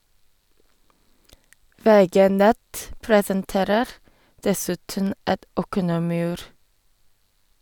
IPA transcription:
ˈʋeːˌɡeː ˈnɛt ˈpɹeːsənˌteːɾəɾ ˈdɛsʉtən ˈɛt ˈɔkənəmɪˌʉːɾ

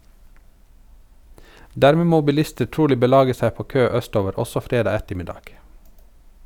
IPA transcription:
ˈdæɾmeː ˈmoː bɪˈlɪstə ˈʈuːlɪ bəˈlɑːɡə ˈsæ ˈpoː ˈkøː ˈœˌstoːʋəɾ ˈɔsɔ ˈfɾeːdɑː ˈɛtəmɪˌdɑːɡ

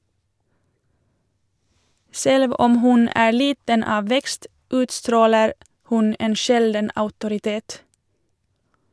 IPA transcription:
ˈsɛlʋ ˈɔm ˈhʉn ˈæː ˈliːtən ˈɑː ˈʋɛkst ˈʉːtstɾoːləɾ ˈhʉn ˈeːn ˈʃɛldən ɑʉtʊɾɪˈteːt

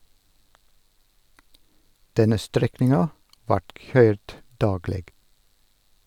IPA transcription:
ˈdɛnə ˈstɾɛknɪŋɑ ˈʋɑːʈ ˈçœʏɾd ˈdɑːɡleːɡ

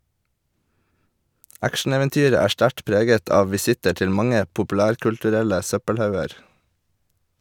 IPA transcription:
ˈækʃɳ̩ˌeːʋɛnˌtyːɾə ˈæː ˈʃʈæʈ ˈpɾeːɡət ˈɑːʋ ʋɪˈsɪtə ˈʈɪl ˈmɑŋə pʊpʉˈlæːɾkʉltʉˌɾɛlə ˈsœpəlˌhɑʉəɾ

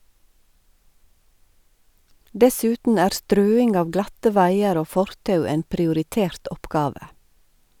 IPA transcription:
ˈdɛˌsʉːtn̩ ˈæːɾ ˈstɾøːɪŋɡ ˈɑːʋ ˈɡlɑtə ˈʋæɪəɾ ˈoː ˈfɔɾtɑʉ ˈeːn pɾɪʊɾɪˈteːɾt ˈɔpɡɑːʋə

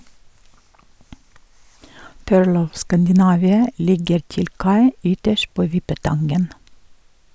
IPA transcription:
ˈpøːɭ ˈɔʋ ˌskændɪˈnɑʋɪə ˈlɪɡəɾ ˈtɪl ˈkɑɪ ˈʏtəʃt ˈpoː ˈʋɪpəˌtɑnɡən

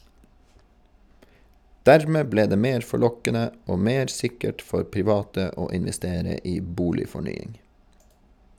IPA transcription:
ˈdæɹmeː ˈbleː ˈdeː ˈmeːɾ fɔˈɭɔkənə ˈoː ˈmeːɾ ˈsɪkəʈ ˈfɔɾ pɪˈʋɑːtə ˈoː ɪnʋɛˈsteːɾə ˈiː ˈbuːlɪfɔˌɳyːɪŋ

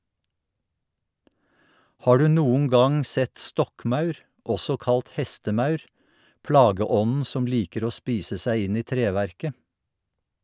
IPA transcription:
ˈhɑː ˈɖʉː ˈnuːŋ̍ ˈɡɑŋ ˈsɛt ˈstɔkˌmɑʉɾ ˈʔɔsɔ ˈkɑlt ˈhɛstəˌmɑʉɾ ˈplɑːɡəˌɔnn̩ ˈsɔm ˈliːkəɾ ˈoː ˈspiːsə ˈsæɪ ˈɪn ˈiː ˈtɾeːʋæɾkə

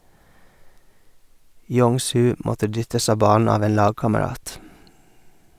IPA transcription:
ˈjɔŋˌsʉː ˈmɔtə ˈdʏtəs ˈɑː ˈbɑːn̩ ˈɑːʋ ˈeːn ˈlɑːɡkɑməˌɾɑːt

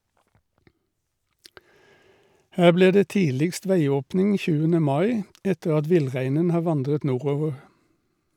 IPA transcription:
ˈhæː ˈbliː ˈdeː ˈtiːlɪkst ˈʋæɪˌoːpnɪŋ ˈçʉːənə ˈmɑɪ ˈɛtəʁ ˈɑt ˈʋɪlˌʁæɪnən ˈhɑː ˈʋɑndʁət ˈnuːˌʁoːʋəʁ

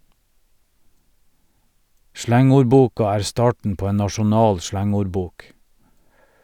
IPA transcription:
ˈʃlæŋʊɾˌbuːkɑ ˈæːɹ ˈstɑːʈɳ̩ ˈpoː ˈeːn nɑʃʊˈnɑːl ˈʃlæŋʊɾˌbuːk

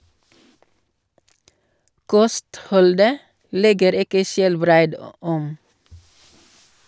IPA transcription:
ˈkɔstˌhɔldə ˈlɛɡəɾ ˈɪkə ˈʃɛlˌbɾæɪd ə ˈɔm

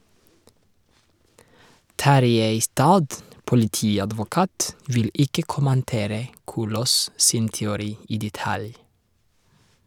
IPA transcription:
ˈtɑɾjeɪ ɪˈstɑːd pʊlɪˈtiːɑdʋʊˌkɑːt ˈʋɪl ˈɪkə kʊmənˈteːɾə ˈkuːloːs ˈsɪn tɛʊˈɾiː ˈiː dɛˈtɑl

